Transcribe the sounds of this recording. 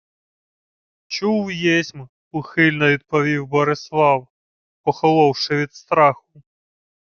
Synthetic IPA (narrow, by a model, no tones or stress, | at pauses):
t͡ʃuwjɛsʲm | ʊxɪlʲnɔʋʲid̪̚pɔʋʲiwbɔɾɪslˠɑw | pɔxɔlˠɔwʃɪʋʲid̪st̪ɾɑxʊ̥